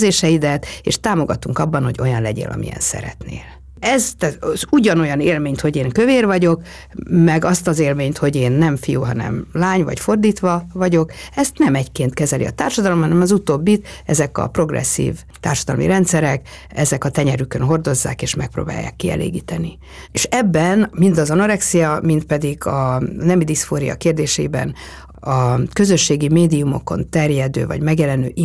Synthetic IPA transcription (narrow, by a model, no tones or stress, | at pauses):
zeːʃɛid̪ɛt̪eːʃt̪aːmo̞ɡɒt̪uŋkɒbːɒnho̞ɟo̞jɒnlɛɟḛːlʔɒ̰mḭɛ̰nsɛ̰ɾɛ̰t̪nḛːl | ɛzt̪ɛzuɟɒno̞jɒneːlmeːɲt̪ho̞ɟeːŋkøveːrvɒɟo̞k | mɛɡɒst̪ɒzeːlmeːɲt̪ho̞ɟeːnːɛmfijuːɦɒnɛ̰mlaːɲvɒ̰cfo̞rd̪iːt̪ʋɒvɒɟo̞kɛst̪nɛmɛckeːnt̪kɛzɛlḭɒ̰t̪aːrʃɒd̪ɒlo̞mɦɒnɛmɒzut̪oːbːit̪ɛzɛkɒ̰pro̞ɡrɛ̰sːḭːv | t̪aːrʃɒd̪ɒlomḭɾɛnt̪sɛɾɛk | ɛzɛkɒt̪ɛɲɛɾykønɦo̞rd̪o̞zːa̰ːkeːʃmɛk̚pro̰ːba̰ːjːa̰ːkːiɛ̰lʔḛːɡiːt̪ɛni | eʃɛbːɛnmind̪ɒzono̞ɾɛksijɒmint̪̚pɛd̪iɡɒnɛmid̪isfoːɾijɒ̰keːrd̪eːʃɛibɛ̰n | ɒkø̞zø̞ʃːeːɡimeːd̪iumo̞̰ko̞̰nt̪ɛrjɛd̪ø̰ːvɒ̰ɟmɛɡjɛlɛnøːʔ